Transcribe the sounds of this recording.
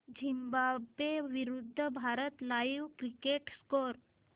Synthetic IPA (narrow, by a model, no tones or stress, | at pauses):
d͡ʑʱimbabeʋiɾud̪ʱːəbʱaɾət̪laiʋkɾikeʈskoɾ